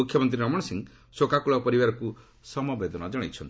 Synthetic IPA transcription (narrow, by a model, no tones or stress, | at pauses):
ukʰːjɔmɔnt̪ɾiɾɔmɔɽ̃siŋ | sokakuɭɔpɔɾibaɾɔku | sɔmɔbed̪ɔnɔd͡ʒɔɽ̃ḛjt͡ʃʰɔnt̪